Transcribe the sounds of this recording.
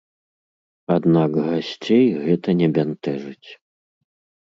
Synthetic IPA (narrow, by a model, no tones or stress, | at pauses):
ad̪nakɣasʲt͡sʲejɣɛt̪ɐnʲɛbʲant̪ɛʐɨt͡sʲ